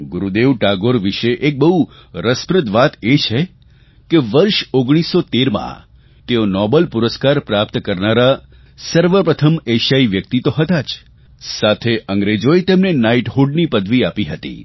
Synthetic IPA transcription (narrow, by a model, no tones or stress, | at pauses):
ɡʊɾud̪eʋʈaɡoɾʋiʃeʔek̚bəɦu | ɾəspɾət̪ʋat̪et͡ʃʰe | keʋəɾʃoɡɽ̃isːot̪eɾmã̰ | t̪eonɔbəlpuɾəskaɾpɾap̚t̪kəɾnaɾa | səɾʋəpɾət̪ʰəmeʃaiʋjək̚t̪it̪oɦət̪at͡ʃ | sat̪ʰeʔəŋɡɾed͡ʒoet̪emnenaiʈɦuɖnipəd̪ʱʋiapiɦət̪ḭ